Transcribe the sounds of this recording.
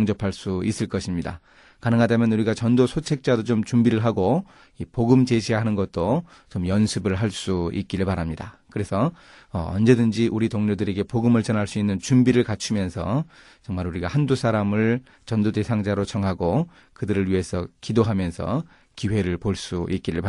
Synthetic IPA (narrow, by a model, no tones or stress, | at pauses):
ŋd͡ʑʌpʰaɭs͈uis͈ɯɭk͈ʌɕʰimɲida̰ | kanɯŋɦadamjʌnuɾiɡat͡ɕʌndosʰot͡ɕʰe̞k̚t͡ɕ͈adot͡ɕomt͡ɕumbiɾɯɭɦaɡo | ipoɡɯmt͡ɕe̞ɕʰiɦanɯnɡʌt̚t͈o | t͡ɕomjʌnsʰɯbɯɭɦaɭs͈uḭk̚k͈iɾɯɭpaɾɦamɲidakɯɾe̞sʰʌ | ʌ̰ʌnd͡ʑe̞dɯnd͡ʑiʔuɾitoŋɲudɯɾe̞ɡe̞poɡɯmɯɭt͡ɕʌnɦaɭs͈uinːɯnt͡ɕumbiɾɯɭkat͡ɕʰumjʌnsʰʌ | t͡ɕʌŋmaɾuɾiɡahandusʰaɾamɯɭ | t͡ɕʌndote̞sʰaŋd͡ʑaɾot͡ɕʌŋɦaɡo | kɯdɯɾɯɭɥiɦe̞sʰʌkidoɦamjʌnsʰʌ̰ | kiwe̞ɾɯɭpoɭs͈uʔit̚k͈iɾɯɭpa